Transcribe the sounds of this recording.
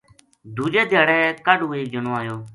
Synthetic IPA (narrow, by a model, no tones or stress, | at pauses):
d̪ʱuːd͡ʒeːd̪ʱɪjaːɽɛːkaɖũːeːk̚d͡ʒənoːaːjoː